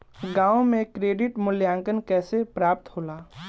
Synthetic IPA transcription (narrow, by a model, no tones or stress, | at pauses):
ɡãːwmẽkɾeːɖɪʈmʊljãːŋkənkɛːsepɾaːp̚t̪hoːlaː